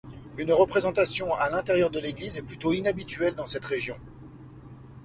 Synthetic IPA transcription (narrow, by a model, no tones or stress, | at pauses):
ynʁəpχezɑ̃t̪asjɔ̃alɛ̃t̪eʁjœʁd̪əleɡlizɛplyt̪oinabit̪ɥɛld̪ɑ̃sɛt̪ʁeʒjɔ̰̃